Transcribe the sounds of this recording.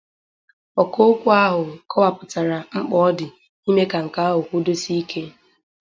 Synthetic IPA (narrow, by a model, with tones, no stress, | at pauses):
ɔ˨ko˦o˦kʷu˦a˦ɦʊ˨kʰɔ˦wa˨pʊ˨ta˨ɾa˨ŋ͡m̩˦k͡pɔ˦ɔ˦dɪ˨ | i˦me˦ka˨ŋ̩˨ka˦a˦ɦʊ˨kʷu˦do˦si˦i˦kʰe˦